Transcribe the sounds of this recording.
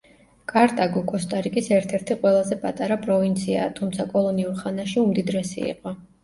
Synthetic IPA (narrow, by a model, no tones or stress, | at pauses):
kʼaɾt̪ʼaɡɔkʼɔst̪ʼaɾikʼisɛɾt̪ʰɛɾt̪ʰiqʼwɛlˠazɛpʼat̪ʼaɾapʼɾɔvint̪sʰia̰ːt̪ʰumt̪sʰakʼɔlˠɔniuɾχanaʃiumd̪id̪ɾɛsḭḭqʼɔ